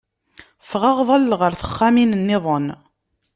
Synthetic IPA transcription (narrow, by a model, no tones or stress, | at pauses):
fʁɑʁðˤɑlːʁəɾθə̥χːaminənːɪðˤən